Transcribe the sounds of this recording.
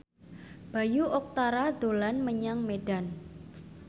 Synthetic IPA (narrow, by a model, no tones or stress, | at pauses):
b̥a̤juʔɔk̚t̪aɾad̪̥olanməɲaŋmeɖan